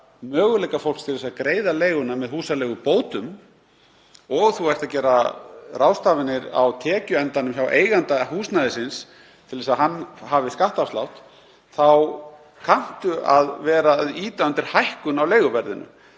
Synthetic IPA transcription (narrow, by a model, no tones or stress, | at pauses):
mœːɣʏlɛjkafowl̥st̪ʰɪlðɛsaðkɾeːjðaleːjɣʏnamɛðhuːsalɛːɣʏpoːwt̪ʏm | ɔɣθuɛjr̥t̪acɛːɾaraːwst̪aːvɪnɪɾa̰wt̪ʰɛːcʏɛnt̪anʏms̬jawʔeːjɣant̪ahuːsnaðɪsɪns | t̪ʰɪlðɛsaðɦanːhaːvɪskaht̪afslawht̪ | θaw | kʰan̥t̪ʏʔaðvɛːɾaðiːt̪aʏnt̪ɪɾ̥hajhkʏnawleːjɣʏvɛɾðɪnʏ̰